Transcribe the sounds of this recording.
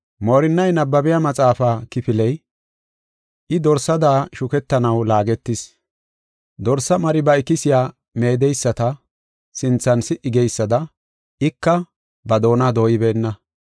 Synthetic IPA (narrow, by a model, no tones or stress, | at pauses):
moːɾɪnːɐjnɐbːɐbɪjamɐt͡sʼaːfaːkɪfɪlɛj | ʔɪd̪ɔɾsɐd̪aːʃʊkɛt̪ːɐnɐwlaːɡɛt̪ːɪs | d̪ɔɾsːɐmɐɾɪbɐɪkːɪsɪjaː | me̞ːd̪ɛjsːɐt̪ɐ | sɪnt͡sːɐnsɪʔɪɡɛjsːɐd̪ɐ | ʔɪkːɐ | bɐd̪o̞ːnad̪o̞ːjɪbe̞ːnːɐ